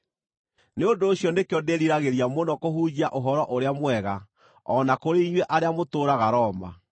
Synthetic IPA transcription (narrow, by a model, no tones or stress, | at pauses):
neondoːɕjɔnekeɔdeɾiɾaɣeɾiamonɔkoɦud͡ʑiaʔoɦɔɾɔʔoɾeamwɛɣa | ɔnakoɾeiɲweʔaɾeamotoːɾaɣaɾɔːma̰